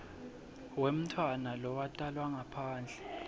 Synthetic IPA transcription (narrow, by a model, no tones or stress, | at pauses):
wem̩tʰwanalɔwatʼalwaŋapʰaːnd͡ɮʱɛ